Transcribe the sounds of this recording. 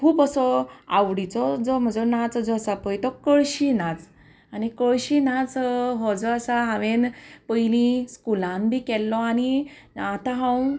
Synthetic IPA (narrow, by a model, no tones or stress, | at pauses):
kʰuːpəsɔa̰wɽit͡sɔd͡zɔm̤əd͡zənat͡sd͡zɔəsapəjt̪ɔkəɭɕinat͡s | anikəɭɕinat͡sɦɔd͡zɔəsaɦãʋenpəjlĩskulãnb̪ʱikɛlːɔaniat̪ãɦãw